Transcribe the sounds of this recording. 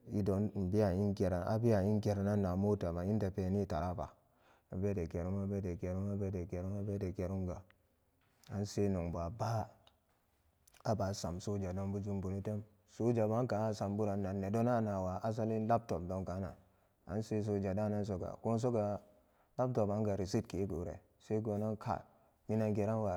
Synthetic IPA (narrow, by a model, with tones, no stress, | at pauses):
i˦do˨n̩˨bi˦a˨i˦nke˨ɾa˨ʔa̰˦bi˦a˨i˦nɡe˨ɾa˨na˦nːa˨mo˦ta˨ma˨i˦nta˨pe˨ni˦˨ta˨ɾa˦pa̰˨ | a˨be˦de˨ke˨ɾu˦ma˦be˦de˨ke˨ɾu˦a˦be˦de˨ɡe˨ɾu˦a˦be˦de˨ɡe˨ɾu˦ŋɡa˨ | a˨nse˦no˨ŋba˨ba˦ | a˦ba˨sa˨mso˦d͡ʒa˨do˦nbu˦d͡ʒu˦mbu˨nu˦te˦m | so˦d͡ʒa˨ba˦ŋka˨˦sa˨mbu˦ɾa˨nːa˨nːe˨do˦na˦˨na˨wa˨ʔa˦s̬a˦li˦n˦la˦b̚to˨p̚do˨ŋka˨˦na̰˨ | a̰˨˦n˦se˦s̬o˨d͡ʒa˨da˦na˦n˦s̬o˨ɡa̰˨ko˦n˦s̬o˦ɡa˨ | la˦p̚to˨pa˦ŋɡa˨ɾi˨si˦tke˨˦ɡu˨˦ɾḛ˨ | se˦ɡo˨na˦nkʰa̰˨ | mi˦na˦ŋɡe˨ɾa˦nwa˨